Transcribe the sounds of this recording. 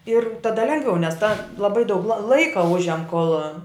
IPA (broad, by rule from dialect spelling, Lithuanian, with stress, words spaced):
ɪr tɐˈdɐ ˈlʲɛŋɡʋʲɛʊ nʲɛs tɐ lˠɐˈbɐɪ dɐʊk lˠɐ ˈlˠɐɪkɐ ˈʊʒʲɛm koːlˠ